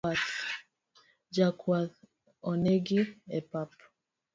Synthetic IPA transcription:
at | d͡ʒakwat | ɔnɛɡiɛpap

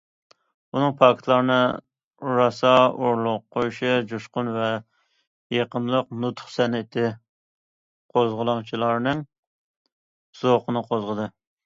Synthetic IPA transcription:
unɨŋpʰɑkʰʲt̪ʰlˠɑɾnɨ | ɾɑsɑoɾlˠʊq̚ʰːojuʃɪd͡ʒuʃqʊnvɛ | jeqənlˠəqnut̪ʰχsɛnɪt̪ʰɪ | qʰozʁəlˠɑŋt͡ʃʰilˠɑɾnɨŋ | z̥oqənɨqʰozʁəd̪ɨ

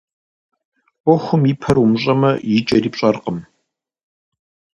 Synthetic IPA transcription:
ɔxʷʊmipʰɐrumɕʼɐmɐjɪt͡ʃʼɐriːpɕʼɐrqəm

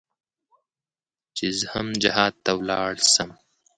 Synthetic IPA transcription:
t͡ʃizhɐmd͡ʑɐɦaːd̪̚t̪ɐwlɑ̰ːɽsɐm

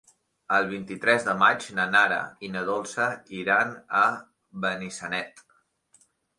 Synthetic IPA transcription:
əlˠβ̞int̪it̪ɾɛzðəmad͡ʒnənaɾə̰inəðolˠsəiɾanə | βənisənɛt̪

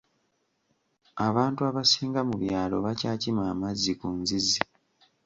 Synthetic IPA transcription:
aβaːntuaβasiːŋɡamuβjaːlo̞̰βacaːcimaːmazikunzizi

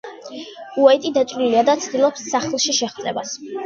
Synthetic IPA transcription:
uɛt̪ʼid̪at̪ʼvɾiliad̪at̪sʰd̪ilˠɔpsːaχlˠʃiʃɛχd̪zʼɛ̰bas

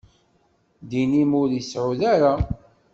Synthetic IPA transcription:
d̪inimʊɾisʕuðaɾa

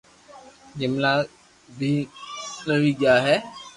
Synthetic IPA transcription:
d͡ʒɪmla | bʱiːnəʋiɡjaːɦɛ

